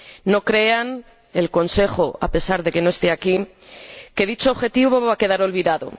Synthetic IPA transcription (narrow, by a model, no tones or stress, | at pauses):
no̞kɾe̞an | e̞lko̞nse̞xoape̞saɾðe̞ke̞no̞e̞st̪e̞aki | ke̞ðit͡ʃo̞ːβxe̞t̪iβo̞ββake̞ðaɾo̞lβiðaðo̞̰